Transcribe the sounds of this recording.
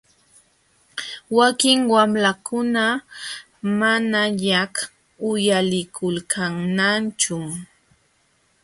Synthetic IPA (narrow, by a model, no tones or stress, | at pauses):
wakɪŋwamlakʊna | manaʎak | ʊjalɪkʰʊlkʰaŋnant͡ʃʊ